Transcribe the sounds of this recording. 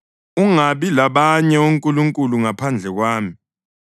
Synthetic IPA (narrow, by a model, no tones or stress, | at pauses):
uŋaɓilaɓaɲɛoŋkʼuluŋkʼuluŋapʰand͡ɮʱɛk̬waːmi